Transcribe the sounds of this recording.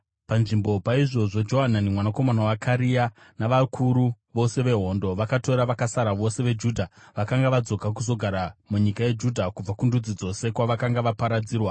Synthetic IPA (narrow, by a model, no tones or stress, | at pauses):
panʐimbo̞paiʐo̞ʐo̞d͡ʒo̞ɦananimwanako̞manawakaɾija | naʋakʰuɾu | ʋo̞se̞ʋe̞ɦo̞ndoʋakato̞ɾaʋakasaɾaʋo̞se̞ʋe̞d͡ʒudʱaʋakaŋɡaʋad͡zo̞kakuzo̞ɡʱaɾamuɲikaje̞d͡ʒudʱakub͡vakundud͡zid͡zo̞se̞kwaʋakaŋɡaʋapaɾad͡ziːrwa